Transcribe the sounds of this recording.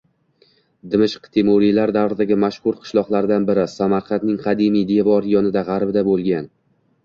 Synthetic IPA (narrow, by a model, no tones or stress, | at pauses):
d̪ɪmɪʃqt̪ʰemoɾijlaɾd̪avɾɪd̪aɡʲɪmaʃhʊɾqʰɨ̥ʃlˠɒqlˠaɾd̪anbɪɾɪsamaɾqʰɑnnɪŋqʰɑd̪imijd̪evɒɾjɒnɪd̪aʁɑɾbɪd̪abolˠɡʲan